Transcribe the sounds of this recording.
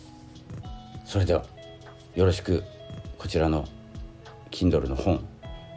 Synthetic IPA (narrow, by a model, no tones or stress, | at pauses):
so̞ɾe̞d̪e̞βa̰ | jo̞ɾo̞ɕi̥kɯ̟kʰo̞t͡ɕiɾano̞ | kʲʰĩnd̪o̞ɾɯ̟no̞hõ̞ŋ